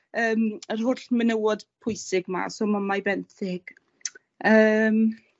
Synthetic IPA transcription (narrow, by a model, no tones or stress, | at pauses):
əːmər̥ɦʊɬmənəwɔd̥pʰʊjsɪɡma̰soːmamajbɛnθɪɡ̥ | əːm